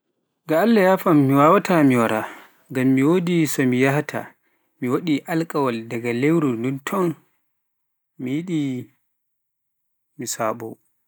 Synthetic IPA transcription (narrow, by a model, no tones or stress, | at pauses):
ɡaːlːajafamːiwaːwatʰamiwaɾa | ŋɡamːiwoːdisɔmijahtʰa̰ | miwaɗiʔalkʼawaldaɡalewɾunduntʰɔn | mijiɗi | misaːɓɔ̰